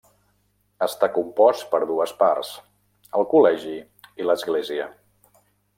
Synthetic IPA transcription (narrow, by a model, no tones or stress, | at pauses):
əst̪akumpɔst̪pəɾðuəspa̰rs | əlˠkulɛʒi | iləzɣleziə